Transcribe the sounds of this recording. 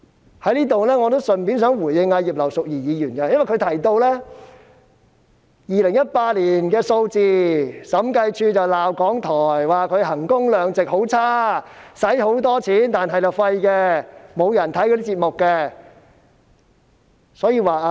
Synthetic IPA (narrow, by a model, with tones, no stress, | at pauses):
hɐ˨˥jliː˥t̪o˨wlɛː˥ŋɔ˨˧t̪̬o˥wsɵ˨˩npiː˨˥nsœː˨˥ŋwuː˨˩jɪ˧ŋːaː˧jiː˨˩p̚lɐ˨˩wsʊ˨k̚jiː˨˩jiː˨˧jyː˨˩nkɛ˧jɐ˥nwɐ˨˩jkʰɵ˨˧jt̪ʰɐ˨˩jt̪o˧wlɛː˥ | jiː˨˩lɪ˨˩ŋjɐ˥t̚paː˧t̚liː˨˩nkɛː˧so˧wt͡siː˨sɐ˨˥mkɐ˧jt͡ʃʰyː˧t͡sɐ˨wlaː˨˩wkɔː˨˥ŋt̪ʰɔː˨˩jwaː˨˩kʰɵ˨˧˥ɦɐ˨˩ŋkʊ˥ŋlœː˨˧ŋt͡sɪ˨k̚ho˨˥wt͡sʰaː˥ | sɐ˨˥jɦo˨˥wt̪̬ɔː˥t͡sʰiː˨˥nt̪aː˨nɦɐ˨jt͡sɐ˨wfɐ˧jkɛ˧mo˨˧wjɐ˨˩nt̪ʰɐ˨˥jkʰɵ˧t̪iː˥t͡siː˧t̚mʊ˨kːɛ˧ | sɔː˨˥jiː˧waː˨a˧